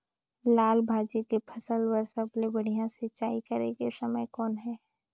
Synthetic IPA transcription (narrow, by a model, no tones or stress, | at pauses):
laːlbʱaːd͡ʒikepʰɐsəlwəɾsəblebɐɽ̤ijãsɪt͡ʃaːikɐɾekesɐməjkɔːnɦɛː